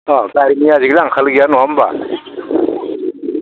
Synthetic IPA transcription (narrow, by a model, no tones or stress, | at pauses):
ɔkaɾimiaziɡlaŋkʰalɡijanuamba̰